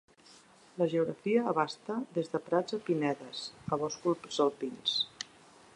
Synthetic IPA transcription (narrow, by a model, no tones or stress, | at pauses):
ləʒəuɣɾə̰fiəːβ̞ast̪əðezðəpɾad͡zəpinɛðəsəβ̞ɔskulpzəlˠpins